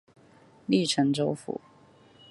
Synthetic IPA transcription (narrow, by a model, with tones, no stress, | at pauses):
li˥˩ʈ͡ʂʰə˧˥ŋʈ͡ʂo˥ʊfṵ˨˦